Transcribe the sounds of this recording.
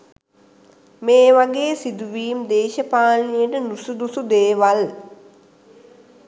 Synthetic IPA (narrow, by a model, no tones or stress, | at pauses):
meːʋaɡeːsid̪uʋiːmd̪eːʃəpaːnijəʈənusud̪usud̪eːʋal